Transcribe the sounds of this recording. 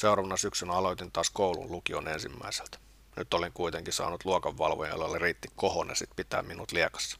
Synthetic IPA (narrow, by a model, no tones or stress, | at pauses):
seuɾɑːʋɑnɑsyksynæɑloit̪int̪ɑːskoulṵllukionensimːæ̰ise̥lt̪ | nyt̪ːoleŋkuit̪eŋkisɑ̰ːnut̪luokɑʋːɑ̰lʋo̰jɑ̰lːelːeriːt̪ːikkohonḛsit̪pit̪æ̰ːmminut̪liekɑ̥sːɑ̥